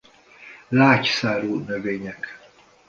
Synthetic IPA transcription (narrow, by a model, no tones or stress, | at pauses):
laːcsaːɾuːnøveːɲɛk